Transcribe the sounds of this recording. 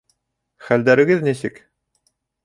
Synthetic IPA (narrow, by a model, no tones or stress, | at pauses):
χæld̪æɾɘ̆ɡɘðnisɘk